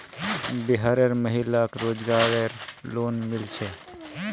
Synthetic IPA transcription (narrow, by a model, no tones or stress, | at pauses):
biɦaːɾeɾməɦɪlakɾoːd͡ʒɡaːɾeɾloːnmɪlt͡ʃʰe